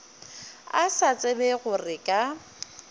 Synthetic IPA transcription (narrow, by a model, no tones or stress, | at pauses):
asat͡sʼebɛɣʊrɪkʼa